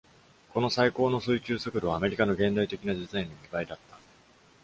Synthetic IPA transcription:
ko̞no̞saiko̞ːno̞sɨikʲɨːsokɯd̪o̞βaːme̞ɾʲikano̞ɡẽ̞nd̪ait̪e̞kʲinad͡ʑizainːomʲibaid̪at̪ːḁ

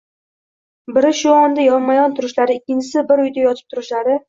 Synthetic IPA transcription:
bɪɾɪʃʊɒnd̪ajɒnmajɒnt̪ʰʊɾɪʃlaɾɪɪkʲːɪnt͡ʃʰɪsɪbɪɾʊjd̪ajɒt̪ʰɪ̥p̚t̪ʰʊɾɪʃlaɾɪ

